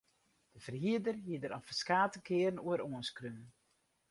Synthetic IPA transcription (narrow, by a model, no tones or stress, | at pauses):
d̥əfərɦiədərɦiədəɾɔfəskaːtəkʰɪːəɾənuəɾoənskrym